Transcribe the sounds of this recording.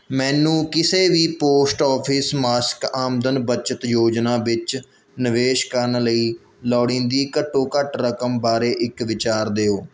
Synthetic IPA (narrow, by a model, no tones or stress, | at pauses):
mɛ̃ːnũːkɪseːʋiːpoːsʈɔːpʰɪsmaːskaːmd̪ənbət͡ʃət̪joːd͡ʒnaːʋɪt͡ʃ | nɪʋeːʃkəɾnləiː | lɔːɽĩːnd̪iːkəʈːoːkəʈɾəkəmbaːɾeːʔɪkʋɪt͡ʃaːɾd̪eːoː